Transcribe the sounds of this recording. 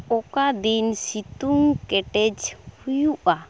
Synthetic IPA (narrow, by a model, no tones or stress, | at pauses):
ɔkad̪insit̪uŋkɛʈɛd͡ʒhujuʔa